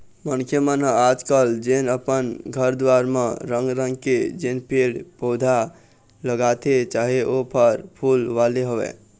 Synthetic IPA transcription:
mənkʰjəmənəad͡ʒkəld͡ʒenəpənɡʱəɾd̪waɾmḛɾəŋɡɾəŋɡked͡ʒenpeɽpod̪ʱa | ləɡat̪et͡ʃaɦeʔopəɾpʰulʋaleɦoʋɛ̰

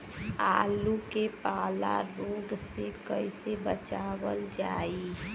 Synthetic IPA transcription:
aːlukepaːla̰ɾoːɡsekəisebət͡ʃaːʋəld͡ʒaːi

